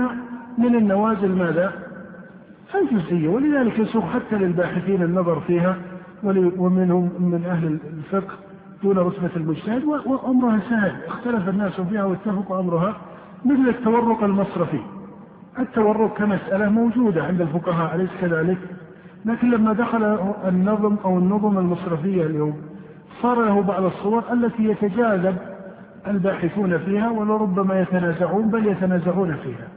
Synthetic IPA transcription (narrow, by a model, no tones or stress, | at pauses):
amɪnɪnːawaːzɪlmaːða | fajd͡ʒʊzʔɪjːawɪlɪðaːlɪkjsuːɣħat̪ːalɪlbaːħɪθiːnɪnːɑðˤɑɾˤfiːɦa | wɪwɪmɪnhʊmːɪnʔahlɪlfɪqh | d̪̥uːnɾˤʊt̪balmʊd͡ʒt̪ahɪd̪wɪwɪʔamɾʊhasahɪlʔɪxt̪alafanːaːsʊfiːhawɪt̪ːafɑqʔamɾʊɦa | mɪθlat̪ːawɑrˤːʊqɪlmɑsˤɾɑfḭ | ʔɪt̪ːawɑrˤːʊq̚kamasʔalamowd͡ʒuːd̪aʕɪnd̪ɪlfʊqɑɦaːʔlajskaðaːlɪk | laːkɪnlamːad̪axalaɪnːɑðˤmʔawɪnːʊðˤmalmɑsˤɾɪfɪjːaljoːm | sˤɑːɾˤlahʊbaʕd̪ɑsˤːʊwɑɾˤʔalːat̪ijat̪ad͡ʒaːzab̚ | ʔalbaːħɪθuːnafiːhawalaɾˤʊbːamajat̪anaːzaʕuːnbaljat̪anaːzaʕuːnafiːha